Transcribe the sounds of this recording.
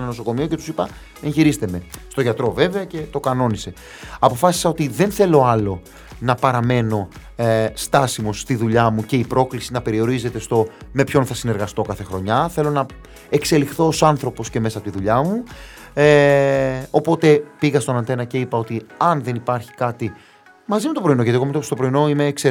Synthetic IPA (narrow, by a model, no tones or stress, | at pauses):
nɐno̞so̞ko̞mio̞cet̪u̥sipɐ | e̞nçiɾist̪e̞me̞st̪o̞ʝɐt̪ɾo̞ve̞veɐce̞t̪o̞kɐno̞nise̞ | ɐpo̞fɐsi̥sɐo̞t̪iðe̞nθe̞lo̞ɐlo̞ | nɐpɐɾɐme̞no̞ | st̪ɐsimo̞st̪iðuʎɐmuce̞ipɾo̞klisinɐpe̞ɾio̞ɾize̞t̪e̞st̪o̞me̞pço̞nθɐsine̞ɾɣɐst̪o̞kɐθe̞xɾo̞ɲɐθe̞lo̞nɐ | ekse̞lixθo̞ːsɐnθɾo̞po̞sce̞me̞sɐpot̪iðuʎɐmu | o̞po̞t̪e̞piɣɐst̪o̞nɐnθe̞nɐce̞ipɐo̞t̪iɐnðe̞nipɐɾçi̥kɐt̪i | mɐzimet̪o̞pɾo̞inoʝɐt̪iɣomet̪ost̪o̞pɾo̞ino̞ime̞ːkse